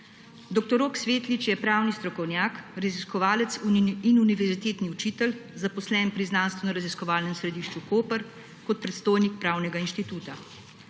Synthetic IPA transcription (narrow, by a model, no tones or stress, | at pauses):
d̪ɔk̚t̪ɔɾoːksʋeːt̪lit͡ʃjɛpɾaːwnist̪ɾɔkɔwnjaːkɾaziskɔʋaːlɛt̪suinuniʋɛɾzit̪eːt̪niut͡ʃiːt̪ɛlzapɔslɛːnpɾiznaːnst̪ʋɛnɔɾaziskɔʋaːlnɛmsɾɛd̪iːʃt͡ʃukoːpəɾ | kɔt̪̚pɾɛt̪st̪oːjnik̚pɾaːwnɛɡainʃt̪it̪uːt̪a